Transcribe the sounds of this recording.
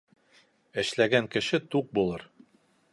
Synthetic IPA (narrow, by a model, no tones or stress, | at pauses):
ɘ̆ʃlæɡæŋkɘ̆ʃɘt̪uq̚bulˠɤɾ